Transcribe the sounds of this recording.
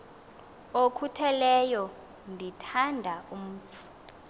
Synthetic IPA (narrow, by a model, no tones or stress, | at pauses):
okʰutʰɛlɛjɔ | ndʱitʰandʱaʔum̩t͡fʰu̥